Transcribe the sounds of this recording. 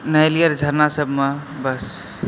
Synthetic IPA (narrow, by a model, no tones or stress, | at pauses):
nəjlijəɾd͡ʒʱəɾnasəbʱme | bəs